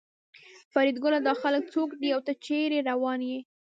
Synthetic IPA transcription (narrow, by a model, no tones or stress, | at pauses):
faɾid̪ɡʊlad̪ɑxalək̚t͡sokd̪iawt̪ət͡ʃeɾeɾawɑnje